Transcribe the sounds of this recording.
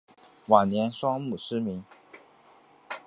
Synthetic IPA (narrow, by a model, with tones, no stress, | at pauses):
wa˨˩nnjɛ˧˥nʂwɑ˥ŋmu˨˩ʂɻ̩˥mi˧˥ŋ